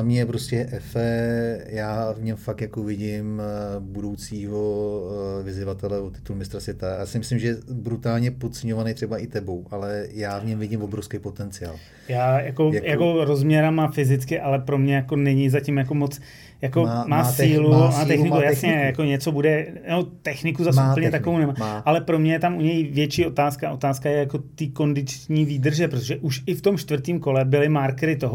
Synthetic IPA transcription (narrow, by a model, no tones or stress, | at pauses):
amɲɛɛpɾoscɛʔɛfɛjaːvɲɛmfak̚t̪jakovɪɟɪmbudo̞wt͡siːɦo | vɪzɪvat̪ɛlɛvot̪ːɪ̥t̪ulmɪst̪ɾasvʲɛt̪ajajasɪmɪslɪmʒɛjɛbɾut̪aːlɲɛpot͡sɛɲovanejt̪r̥ɛbaʔɪt̪ɛbo̞wʔalɛjaːvɲɛmvɪɟɪmvobɾofskɛjpot̪ɛnt͡sɪa̰ːl | jaːjako̞jako̞ɾo̞zmɲɛɾamafɪzɪt͡skɪʔalɛpɾo̞mɲɛjako̞nɛɲɪzacɪmjako̞mot͡s | jako̞maːsiːluaːt̪ɛxnɪkkujasɲɛjako̞ɲɛt͡so̞budɛnot̪ɛxnɪkuzasupl̩ɲɛt̪akovownɛmaːʔalɛpɾo̞mɲɛjɛt̪amʔuɲɛjvjɛt͡ʃiːʔo̞t̪aːskaʔo̞t̪aːskajɛjako̞t̪iːko̞ndɪt͡ʃɲiːviːd̪r̩ʒɛpɾot̪oʒɛʔuʃʔɪft̪o̞mʃt̪vrt̪iːmko̞lɛbɪlɪmaɾkɛɾɪt̪oɦo